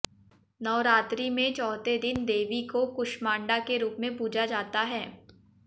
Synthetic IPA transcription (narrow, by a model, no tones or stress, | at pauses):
nɔːɾaːt̪ɾimẽt͡ʃɔːt̪ed̪ɪnd̪eːʋikokʊʃmãːɳɖakeɾuːpmẽpuːd͡ʒad͡ʒaːt̪aɦɛː